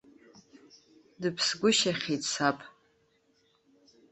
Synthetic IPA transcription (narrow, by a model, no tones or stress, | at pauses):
dɨpʰsɡʷʊʃaχʲetʼsapʼ